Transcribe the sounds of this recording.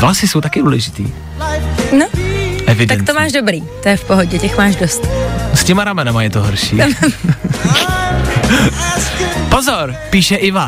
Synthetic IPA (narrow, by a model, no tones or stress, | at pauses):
vlasɪsowt̪akɪduːlɛʒɪt̪ḭː | noʔɛvɪdt̪ank̪t̪omaːʒdobɾiːt̪ojɛfpoɦoɟɛcɛxmaːʒdost̪scɛmaɾamɛnamajɛt̪oɦoɾʃḭːm | pozoɾpiːʃɛʔɪva